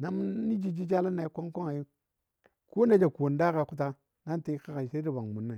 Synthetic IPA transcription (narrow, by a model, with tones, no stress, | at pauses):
na˦m˦ni˦d͡ʒi˦d͡ʒi˦d͡ʒa˦la˦nːa˨i˦kʷo˦ŋ˦ko˦ŋa˨ji˦ | ko˦na˦d͡ʒa˨ko˨n˦da˦ka˨ku˦t̬a˦ | na˦n˦ta˦ka˦ka˨ʃe˦ɾi˦ba˨ŋmu˨nːa˨